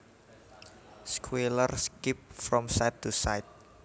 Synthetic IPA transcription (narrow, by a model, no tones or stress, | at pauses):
skʰwelərskip̚fɾɔ̃msajtʰːusajt̪̚